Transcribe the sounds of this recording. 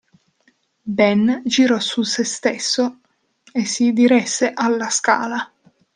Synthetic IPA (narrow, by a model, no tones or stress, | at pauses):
bɛnd͡ʒiɾɔsusest̪esːo | esːid̪iɾɛsːeʔalːaska̰ːla